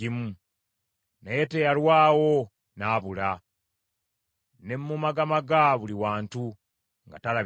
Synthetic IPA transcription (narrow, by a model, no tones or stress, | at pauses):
imu | nejetejalwaːwo̞ | naːβula | ne̞mːumaɡamaɡaβuliwaːntu | ŋɡa̰tala